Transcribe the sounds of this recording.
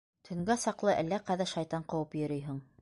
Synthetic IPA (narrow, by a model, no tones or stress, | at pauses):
t̪ʰɵ̆ŋɡæsɑqlˠɤʔælːæqæðæʃɑjt̪ɑɴqɤ̆wɤpjɵ̆ɾɵjɦɘɴ